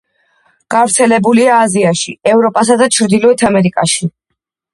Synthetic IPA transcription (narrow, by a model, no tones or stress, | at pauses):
ɡ̥avɾt̪sʰɛlɛbuliaːziaʃiɛvɾɔpʼasad̪at͡ʃʰɾd̪ilɔɛt̪ʰamɛɾikʼaʃi